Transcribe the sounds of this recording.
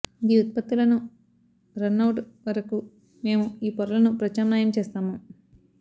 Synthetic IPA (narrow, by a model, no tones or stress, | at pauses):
ɡiːut̪̚pɐt̪ːulɐnu | ɾɐnːɐwʈʋɐɾɐku | me̞ːmuiːpɔɾɐlɐnupɾɐt͡ʃaːmnaːjɐmt͡ʃeːst̪aːmu